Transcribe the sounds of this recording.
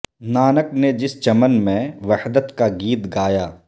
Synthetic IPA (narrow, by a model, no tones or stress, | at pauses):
naːnəkned͡ʒɪst͡ʃɐmənmẽʋɐhd̪ət̪kaɡiːt̪ɡaːjaː